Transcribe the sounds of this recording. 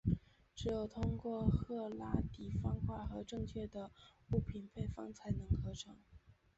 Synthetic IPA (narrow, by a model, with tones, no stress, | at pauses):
ʈ͡ʂɻ̩˧˥jo˨˩ʊt̪ʰʊ˥ŋkwɔ˥˧xɤ˥˩la˥t̪i˨˩fɑ˥ŋkwa˥˩xɤ˧˥ʈ͡ʂɤ˥˧ŋt͡ɕʰɥɛ˥˩d̪ə˩u˥˩pʰi˨˩npʰe˥˩ɪfɑ̰˥ŋt͡sʰa˧˥ɪnɤ˧˥ŋkʰɤ˥˩ʈ͡ʂʰɤ˧˥ŋ